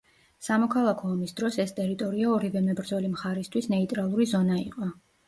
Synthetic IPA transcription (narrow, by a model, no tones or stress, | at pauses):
samɔkʰalˠakʰɔːmisd̪ɾɔsɛst̪ʼɛɾit̪ʼɔɾiaɔɾivɛmɛbɾd̪zɔlimχaɾɛst̪ʰwisnɛit̪ʼɾalˠuɾizɔnaiqʼɔ